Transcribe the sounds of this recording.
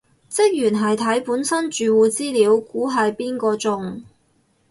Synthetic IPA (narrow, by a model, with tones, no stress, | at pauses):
t͡sɪ˥k̚jyː˨˩nɦɐ˨jt̪ʰɐ˨˥jpuː˨˥nsɐ˥nt͡ʃyː˨wuː˨t͡siː˥liː˨˧wkuː˨˥ɦɐ˨jpiː˥nkɔː˧t͡sʊ˨ŋ